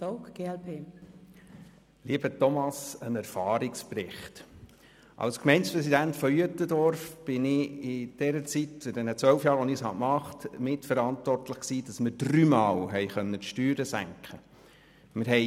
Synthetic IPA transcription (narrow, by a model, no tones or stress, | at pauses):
oʊkɡ̥eɛlpʰeː | liːbətɔmɑsənæɾfɑːɾɪksprɪχt | ʔɑ̰lskmɛɪnspɾɛsidæntfɔjøtədɔɾfb̥ɪnɪɪd̥ɛɾət͡sitfɪdɛnət͡sʋœlfjɑːɾʋɔnɪshɑ̰mɑχtmɪtfəɾɑntʋɔrtləχksiːd̥ɑsmɪɾd̥ryːmɑːlɦɛɪχœnːətʃtyːɾəsæ̰ŋkχə | mɪɾɦɛɪ